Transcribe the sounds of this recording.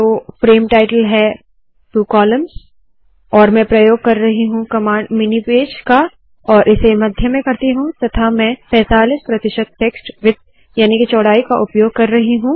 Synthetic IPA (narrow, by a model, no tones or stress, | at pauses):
t̪oːfɾeːmʈaːɪʈəlɦɛ | pɾuːkɔːləmz | ɔːɾmɛ̃pɾɐjoːɡ̚kɐɾːɐɦiɦũkɐmaːɳɖmɪnipeːd͡ʒka | ɔːɾʔɪsemɐd̪ʱjəmẽkɐɾt̪iɦũt̪ɐt̪ʰamɛ̃pɛːt̪aːlɪspɾɐt̪ɪʃəd̪̚ʈeːksʈʋɪt̪ | jaːnikit͡ʃɔːɽaːikaʔʊpjoːɡ̚kɐɾːɐɦiɦũ